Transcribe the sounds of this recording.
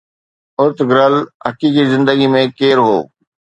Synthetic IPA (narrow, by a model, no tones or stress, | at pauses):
ʊɾt̪ɡɪɾəlɦɐkiːkizɪ̃nd̪əɡimẽkeːɾɦo̰ː